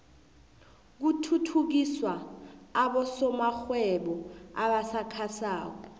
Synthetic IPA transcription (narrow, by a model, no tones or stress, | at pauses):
k̬utʰutʰuk̬iswaː | ɓɔsɔmaxwɛɓɔaɓasakʰasaːk̬ɔ